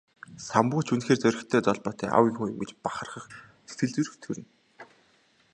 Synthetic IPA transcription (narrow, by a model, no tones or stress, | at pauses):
sampuːt͡ɕʰunxeːrt͡sœɾʲɪ̆xt̪ʰœːt͡sɔɮpɔːt̪ʰœːʔa̰wiːŋxuːj̆mɡʲet͡ɕpaχə̆rχə̆χ | se̥t̪ɘ̆ɮt͡suɾɘ̆xt̪ʰɵɾɘ̆n